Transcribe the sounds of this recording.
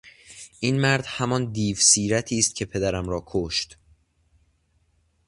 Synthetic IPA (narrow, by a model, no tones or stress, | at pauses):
ʔiːnmæɾd̪̥hæmɒnd̪iːvsiːɾæt̪ʰiːst̪̚cʰe̞pʰe̞d̪æɾæmɾɒːkʰoʃt̪